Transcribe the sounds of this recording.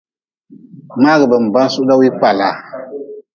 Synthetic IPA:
maː˦ɣɨ˨bɨ˨m̩˨ba˦n˦su˦ʔla˦wi˦pa˨la˨

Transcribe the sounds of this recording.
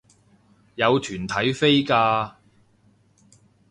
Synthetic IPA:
jɐ˨˧wt̪ʰyː˨˩nt̪ʰɐ˨˥jfe˥jkaː˧

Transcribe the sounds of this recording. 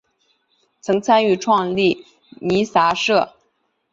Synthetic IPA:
t͡sʰɤ˧˥ŋt͡sʰa˥ny˥˧ʈ͡ʂʰwɑ˥˧ŋli˥˩ | ni˧˥sa˧˥ʂɤ˥˩

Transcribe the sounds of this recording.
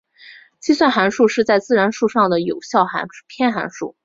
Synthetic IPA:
t͡ɕi˥swa˥˩nxa˧˥nʂu˥˧ʂɻ̩˥˧t͡sa˥˧ɪt͡sɹ̩˥˩ɻa˧˥nʂu˥˧ʂɑ˥˩ŋd̪ə˩jo˨˩ʊɕjɑ˥˩ʊxa̰˧˥n˥pʰjɛ˥˩nxa̰˧˥nʂṵ˥˩

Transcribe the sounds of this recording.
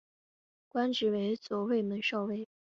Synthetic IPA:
kwa˥nʈ͡ʂɻ̩˧˥we˧˥ɪt͡swɔ˨˥˩we˥˧ɪmə˨˩nʂɑ˥˧ʊwe˥˩ɪ

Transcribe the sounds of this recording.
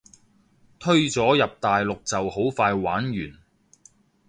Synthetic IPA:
t̪ʰɵ˥ɥt͡sɔː˨˥jɐ˨p̚t̪aː˨jlʊ˨k̚t͡sɐ˨who˨˥wfaː˧jwa̰ː˨˥nɥyː˨˩n

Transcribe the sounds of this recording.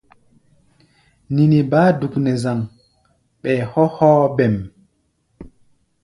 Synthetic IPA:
ni˨ni˨baː˦du˨knɛ˨za˨ŋ | ɓɛ˨hɔ˦hɔː˦bɛ˨m

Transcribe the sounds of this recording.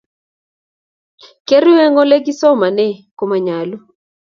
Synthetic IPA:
ke˦ɾwɛ˦ŋɔ˦le˦ɡɪ˦sɔ˦ma˨nɛ˦˨ko˨ma˨ɲa˨lo˦

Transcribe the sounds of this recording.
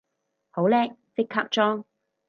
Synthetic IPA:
ho˨˥wlɛː˥k̚fɪ˥kʰːɐ˦˥p̚t͡ʃɔː˥ŋ

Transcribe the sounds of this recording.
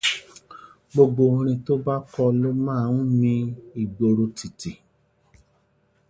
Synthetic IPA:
ɡ͡bo˧ɡ͡bo˧ɾ̃ĩ˧to˦ba˦kɔ˧lo˦mãː˦˨ũ˦mĩ˧i˨ɡ͡bo˧ɾo˧ti˨ti˨

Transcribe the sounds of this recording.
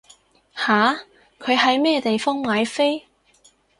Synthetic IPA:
haː˨˥ | kʰɵ˨˧ɥɦɐ˨˧˥jmɛː˥t̪e˨jfɔː˥ŋmaː˨˧jfe˥j

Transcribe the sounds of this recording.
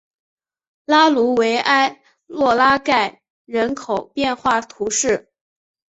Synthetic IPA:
la˥lu˧˥we˧˥ɪʔa˥ɪ | lwɔ˥˩la˥ka˥˩ɪ | ɻə˧˥nkʰo˨˩ʊpjɛ˥˧nxwa˥˩t̪ʰu˧˥ʂɻ̩˥˩

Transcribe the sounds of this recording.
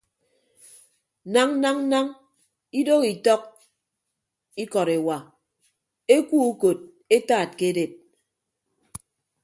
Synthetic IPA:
na˦ŋ˦na˦ŋ˦na˦ŋ | i˦do˦ki˨tɔ˦k̚ | i˦kɔ˨ɾe˨wa˨ | e˦ku˦u˦ko˨t̚ | e˦taː˦˨t̚ke˦de˨t̚

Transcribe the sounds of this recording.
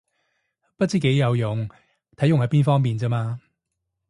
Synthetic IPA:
pɐ˥t̚t͡siː˥˩ke˨˧˥jjɐ˨˧wjʊ˨˩ŋ | t̪ʰɐ˨˥jʊ˨ŋhɐ˨˥jpiː˥nfɔː˥ŋpiː˨nt͡siː˧˥maː˧

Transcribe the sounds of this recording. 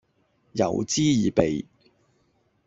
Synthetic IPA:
jɐ̰˨˩wt͡siː˥jiː˨pe˨j

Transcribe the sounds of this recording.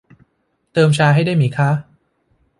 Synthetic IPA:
t̪ɤː˧mt͡ɕʰaː˧ɦa˥˩jda˥˩jmiː˩˦kʰa˦˥

